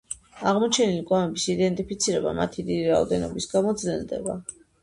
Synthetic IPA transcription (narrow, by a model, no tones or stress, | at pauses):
aʁmɔt͡ʃʰɛnilikʼwamɛbisid̪ɛnt̪ʼipʰit̪sʰiɾɛba̰mat̪ʰid̪id̪iɾaɔ̰d̪ɛnɔbisɡamɔd̪zlɛlˠd̪ɛba